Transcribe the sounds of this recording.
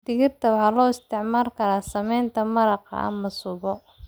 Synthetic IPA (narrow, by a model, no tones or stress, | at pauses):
d̪̥ɪɣɪrt̪ʰɐwɑħɑːlɔːɪst̪ʰɪʕmaːlkʰɐɾaːsɐmɛjnt̪ʰɐmɐɾɑqɑ̰ʔɐ̰mɐsʊβɔ